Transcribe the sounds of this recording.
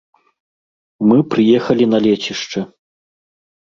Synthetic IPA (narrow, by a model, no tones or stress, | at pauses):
mɨpɾɨjɛxɐlʲinɐlʲet͡ɕiʂt͡ʂɐ